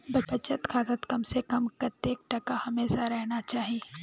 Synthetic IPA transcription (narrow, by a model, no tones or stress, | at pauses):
bɐɐt͡ʃət̪kʰaːt̪ət̪kɐmsekɐmkɐt̪eːk̚ʈɐkahɐmeːʃaɾɛɦnat͡ʃaːɦie